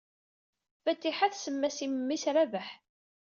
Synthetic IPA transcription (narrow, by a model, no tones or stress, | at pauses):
fæt̪ːiħaθsəmːæsimmːisɾævəħ